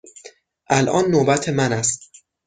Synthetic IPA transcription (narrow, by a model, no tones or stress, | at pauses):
ʔælʔɒːnːobæt̪ʰemænæst̪̚